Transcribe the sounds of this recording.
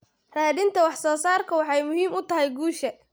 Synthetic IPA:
raːðɪnt̪ʰɐwɑħsɔːsaːrkʰɐwɑħɑjmʊɦiːmʊt̪ʰɐɦɛjɡuːʃɐ

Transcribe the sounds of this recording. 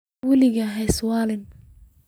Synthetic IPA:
wɐlɪɣɐɦɛjswɑːlɪn

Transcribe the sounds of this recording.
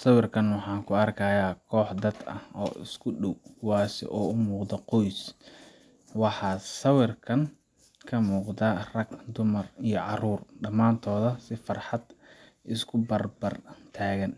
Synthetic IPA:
sɐwɪrkʰɐnwɑħɑːŋkʰʊɐrkʰajaːkʰɔːħd̪ɐd̪ɐ̰hɔːʔɪskʰʊɖɔwkʰʊwɑːsɛ̰ʔɔːʊmuːqd̪ɐqɔjs | wɑħɑːsɐwɪrkʰɐn | kʰɐmuːqd̪ɐrɐɡd̪ʊmɐrijɞʕɑruːrɖɐmaːnt̪ʰɔːðɐsɪfɑrħɑd̪ | ʔɪskʰʊbɐrbɐrt̪ʰaːɣɐn

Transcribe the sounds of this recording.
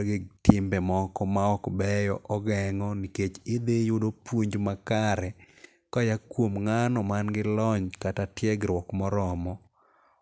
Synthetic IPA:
ɡɪtɪmbɛmɔkɔmaɔkbɛjɔʔɔɡɛŋɔniket͡ʃɪd̪ejʊdopwuɲd͡ʒmakaɾɛ | kɔjakwomŋanɔmanɡɪlɔɲkatatjɛɡɾwɔkmɔɾɔmɔ

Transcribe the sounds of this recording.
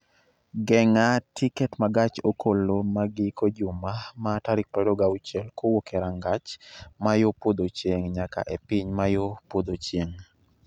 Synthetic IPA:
ɡɛŋatikɛtmaɡat͡ʃokolomaɡɪkʰod͡ʒʊmamataɾɪk̚pɾɔdɔɡaut͡ʃɛlkowokeɾaŋɡat͡ʃmajopod̪ot͡ʃjeŋɲaka̰ʔepɪɲmajopod̪ot͡ʃjeŋ

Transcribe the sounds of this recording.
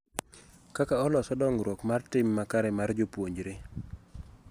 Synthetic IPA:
kakaɔlɔsɔdɔŋɾwokmartɪmːakaɾɛmard͡ʒopwoɲd͡ʒɾe

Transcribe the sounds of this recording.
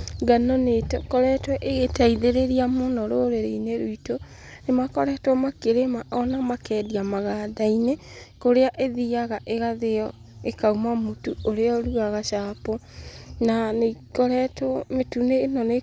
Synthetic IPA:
ɡanɔnetkɔɾɛtwɛʔeɣetaiðeɾeɾiamonɔɾoɾeɾeineɾuito | nemakɔɾɛtwɛmakeɾemaʔɔnamakɛdiamaɣaːdainekoɾeaʔeðiaɣaʔeɣaðejɔ | ekaumamutuoɾeɔɾuaɣaʃaːpɔ | nanekɔɾɛtmetuneːnɔne

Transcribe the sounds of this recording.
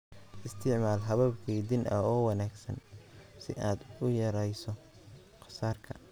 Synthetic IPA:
ʔɪst̪ʰɪʕmaːlɦɐβɐbkʰɛjd̪ɪnʔɐɔːwɑnaːɡsɐ̰nsɪʔaːd̪ʊjɐɾɛjsɔ | qɑ̥saːrkʰɐ

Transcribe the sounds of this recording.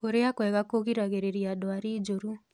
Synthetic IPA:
koɾeakwɛɣakoɣiɾaɣeɾeɾiadoaɾid͡ʒoɾu

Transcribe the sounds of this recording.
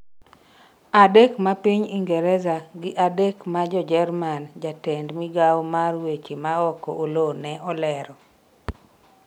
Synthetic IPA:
adekmapiɲiŋɡɛɾɛzaɡɪʔadekmad͡ʒɔd͡ʒɛrmand͡ʒatɛndmɪɡawmarwet͡ʃimaɔkɔ̰ʔolonɛʔɔlɛɾɔ

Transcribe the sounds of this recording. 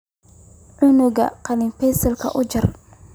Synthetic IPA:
ʕʊnʊɡɐ̰qɑnɪmpɛjsɐlkʰɐ̰ʔʊt͡ʃɐr

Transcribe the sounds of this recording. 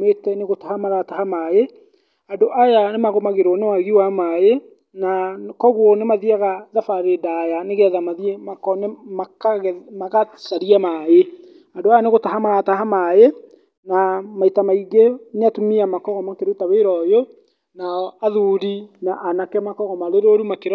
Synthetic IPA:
metɛneɣotahamaðatahamae | andoʔajanemaɣomaɣeɾonewaɣiwamaje | nakɔɣwɔnemaðiaɣaðafaɾedajaneɣeaðamaðiemakɔnemakamaɣaðaɾiamae | andoajaneɣotaɦamaðataɦamaje | namaitamaiɡeneatumiamakɔɣɔmakeɾetaweɾɔjo | naɔaðuɾinaʔːnakɛmakɔɣɔmaɾeɾoɾumakeɾ

